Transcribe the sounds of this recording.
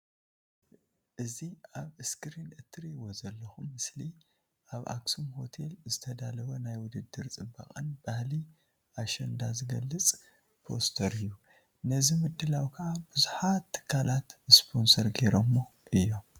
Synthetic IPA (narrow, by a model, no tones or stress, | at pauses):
ʔɨziʔaβɨskʰɨɾinɨt̪ʰːɨɾiwozɐlːɐxumːɨsli | ʔaβʔa̰ksumho̞t̪ʰe̞lzɨt̪ʰɐd̪alɐwɐnajwʊd̪ɨd̪ːɨɾt͡sʼɨba̰kʼɨnb̥ahli | ʔaʃɐnd̪azɨɡɐlːɨt͡sʼ | pʰo̞̰st̪ʰɐɾɨjːu | nɐzimɨd̪ɨlawkʰɐʔabɨzuħat̪ʰːɨ̥kʰːalat̪spʰo̞nsɐɾɡe̞ɾomːoʔɨjːo̞m